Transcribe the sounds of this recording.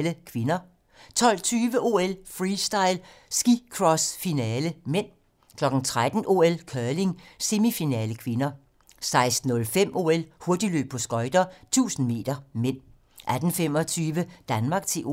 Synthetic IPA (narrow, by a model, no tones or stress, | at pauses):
ləkʰʋe̝nɐ | t͡sʰɒ̽l̰t͡sʰyːʋəʔo̝elfʁiːsd̥ɑ̈ɪ̰l | sɡ̥ikʰʁɒsfinɛːləmen̰ | kʰlɒ̽ɡ̥n̩t͡sʰʁad̥n̩ʔo̝ːelkʰœːle̝ŋse̝mifinɛːləkʰʋe̝nɐ | sɑ̈ɪsd̥n̩ɔ̽lfem̰ʔo̝̰ːelho̝ɐd̥i̥lø̰ːb̥̚pʰɒ̽sɡ̥ɒ̽ɪd̥ɐt͡sʰṵːsn̩me̝̰ːd̥ɐmen̰ | ʔæd̥n̩fem̰ɒ̽t͡sʰyːʋəd̥ænmɑ̈ɡ̥̚t͡sʰe̝